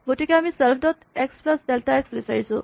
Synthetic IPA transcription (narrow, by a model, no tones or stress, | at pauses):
ɡoʈikeamiselpʰdɔt̪eksplasdelʈaeksbisajsṵ